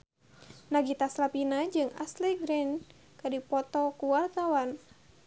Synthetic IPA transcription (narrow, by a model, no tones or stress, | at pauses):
naɡit̪aslapinad͡ʒɨŋa̰sliɡɾɛn | kadipɔt̪ɔkuwart̪awan